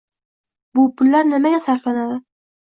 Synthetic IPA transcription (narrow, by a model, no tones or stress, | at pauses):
bʊpʰʊlːaɾnɪmaɡʲasaɾqlˠanad̪ɪ